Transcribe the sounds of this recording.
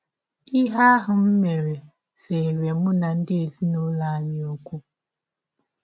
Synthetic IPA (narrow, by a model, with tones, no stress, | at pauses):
i˦ɦa˦ɦʊ˨m̩˦me˨ɾe˨ | se˨ɾe˨mʊ˦na˨n̩˦dɪ˦e˨zi˦no˦la˨ɲɪ˦o˦kʷu˦